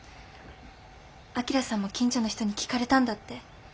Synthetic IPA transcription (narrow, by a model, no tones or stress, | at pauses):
akʲiɾasãmːo̞kʲĩɲ̟t͡ɕono̞çi̥t̪o̞ɲ̟ikʲi̥kaɾe̞t̪ãnd̪at̪ːe̞